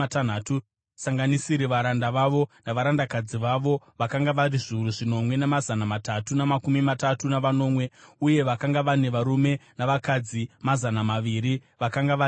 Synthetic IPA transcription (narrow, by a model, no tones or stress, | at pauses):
tnaːtu | saŋɡanisiɾiʋaɾandaʋaʋo̞naʋaɾandakad͡ziʋaʋo̞ | ʋakaŋɡaʋariʐiuruʐino̞mwe̞namazanamatatunamakumimatatunaʋano̞ːmwe̞uje̞ʋakaŋɡaʋane̞ʋaɾume̞naʋakad͡zimazanamaʋiːɾiʋakaŋɡaʋa